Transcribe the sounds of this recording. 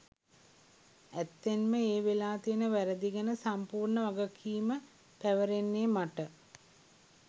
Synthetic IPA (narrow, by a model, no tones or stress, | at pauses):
æt̪ːenməeːʋelaːt̪iənəʋæɾəd̪iɡənəsampuːrɳəʋaɡəkʰiːmə | pæʋəɾenːeːmaʈə